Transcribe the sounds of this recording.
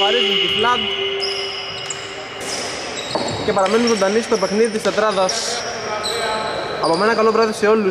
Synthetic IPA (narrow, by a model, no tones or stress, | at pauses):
ɐɾezunt̪iflɐt̪ | cepɐɾɐmenunzo̞nd̪ɐnist̪o̞pe̞xniðit̪ist̪et̪ɾɐðɐs | ɐpomenɐkɐlo̞pɾɐðise̞o̞lːu